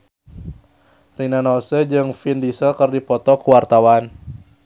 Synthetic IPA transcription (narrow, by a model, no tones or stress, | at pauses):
rinanɔsəd͡ʒɨŋfindisəlkɨrdipɔt̪ɔkuwart̪awan